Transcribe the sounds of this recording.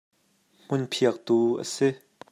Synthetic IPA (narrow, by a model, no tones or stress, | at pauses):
m̥unpʰiək̚t̪uʔə̰sɪ